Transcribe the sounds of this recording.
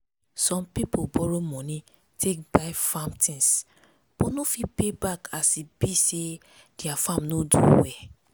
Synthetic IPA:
sɔ̃mpipobɔɾomɔ̃nĩ | tʰek̚baɪfãmtʰĩns | b̥onofipebakasibise | d̥iafãmnodṵwɛ

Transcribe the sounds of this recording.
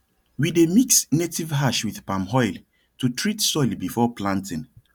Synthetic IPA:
widemiksnetivɦaʃwiðpãmɦɔɪl | tutʰɹitsɔɪlbifɔplãntĩn

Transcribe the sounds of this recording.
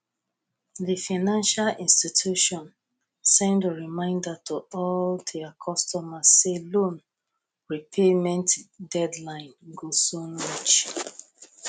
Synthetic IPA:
ðifaɪnãnʃalĩnstitʰuʃɔ̃n | sɛ̃ndəɹimãɪ̃ndatʰuɔldɛakʰɔstɔmasːelõn | ɹipʰemɛ̃ntdɛdlãɪ̃nɡosonmɔt͡ʃ

